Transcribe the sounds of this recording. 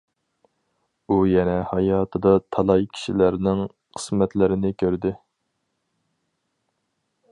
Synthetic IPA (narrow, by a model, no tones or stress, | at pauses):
ujɛnɛhɑjɑːt̪ʰɨd̪ɑt̪ʰɑlˠɑjkʲʰi̥ʃilæɾnɪŋ | qʰə̥smɛt̪lɪɾɪnɪkʲʰøɾd̪ɪ